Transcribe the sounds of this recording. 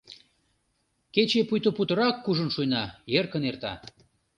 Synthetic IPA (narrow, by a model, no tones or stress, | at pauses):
ket͡ɕepujt̪oput̪əɾɑkːuʒənʃujnɑjerkənert̪ɑ̰